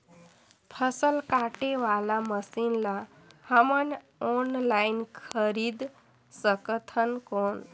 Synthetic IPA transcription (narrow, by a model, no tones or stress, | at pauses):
pʰəsəlkaʈeʋalaməsinla | həmən | ɔnlajnkʰəɾid̪ | səkt̪ʰənkon